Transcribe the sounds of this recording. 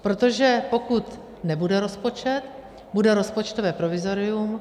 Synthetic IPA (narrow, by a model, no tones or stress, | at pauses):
pɾot̪o̞ʒɛpo̞kut̪ | nɛbudɛɾo̞spo̞t͡ʃɛt̪ | budɛɾo̞spot͡ʃt̪o̞vɛːpɾo̞vɪzo̞ɾɪum